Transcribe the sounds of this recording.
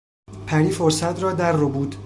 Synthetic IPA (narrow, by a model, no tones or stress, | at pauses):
pʰæɾiːfoɾsæt̪ʰɾɒːd̪æɾːobuːd̪